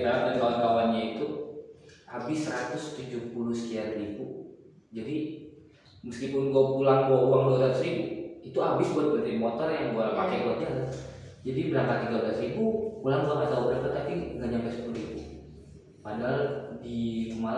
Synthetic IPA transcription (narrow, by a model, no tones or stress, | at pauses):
əɾaaankalakapanɲait̪u | abɪsəɾat̪ʊst̪ud͡ʒʊpulʊsə̥t̪ianɾibu | d͡ʒadi | məskipʊnɡuapulaŋɡwauwaŋduasat̪ʊsɾibuit̪uabɪsbuat̪̚bənt̪ɪŋmɔt̪ɔrjaŋɡuaɾapakajɡuat̪̚ɲala | d͡ʒadibəɾaŋkat̪̚ːiɡablasɾibupulaŋɡamat̪aubɾaŋkat̪ːapiŋɡaɲampasə̥puluibu | pandaldikəma